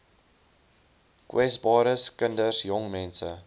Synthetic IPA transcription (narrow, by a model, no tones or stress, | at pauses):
kwɛsbɑːɾəskəndəsjɔŋmɛnsə̰